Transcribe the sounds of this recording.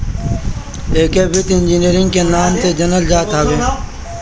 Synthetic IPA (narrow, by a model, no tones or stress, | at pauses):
eːkeːʋɪt̪ɪnd͡ʒiːniːɾɪ̃ŋɡkeːnaːmt̪eːd͡ʒənəld͡ʒaːt̪aːʋeː